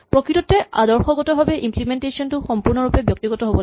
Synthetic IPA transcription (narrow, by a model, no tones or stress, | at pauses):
pɹɔkɹitɔtɛʔa̰dɔɹxɔɡɔtɔbʱabɛʔimplimɛntesiɔntʊxɔmpuɹnɔɹupɛbjɔk̚tiɡɔtɔɦobɔl